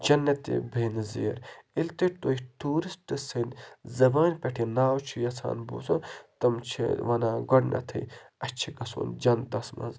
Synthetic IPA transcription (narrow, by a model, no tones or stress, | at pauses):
d͡ʒɐnːɐt̪ḭbʱeːnzḛːɾilt̪it̪ojiʈuːɾisʈɨsɐnzɐbaːnʲpʲɐʈʰinaːwt͡ʃʰijɐsʰa̰ːnbṵːsont̪ɐmt͡ʃʰḭʋɐnaːɡɐɽnʔɐ̰t̪ʰɐ̰jɐt͡ʃʰiɡɐso̰ːnd͡ʒɐnd̪ɐsmɐ̰nz